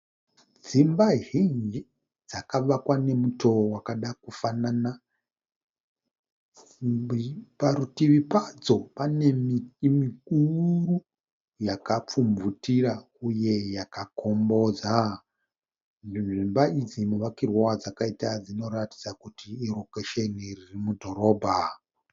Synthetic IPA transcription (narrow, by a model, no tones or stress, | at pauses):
d͡zimbaɦiŋi | d͡zakaʋakwane̞muto̞wakaɗakufanana | paɾutiʋipad͡zo̞panemimikuru | jakap͡fumvutiɾa | uje̞jakako̞mbo̞d͡za | iʐimbaid͡zimuʋakirwowad͡zakaitad͡zino̞ɾati̥d͡zakutiːɾokeʃeniririmudʱo̞ɾo̞ːbʱa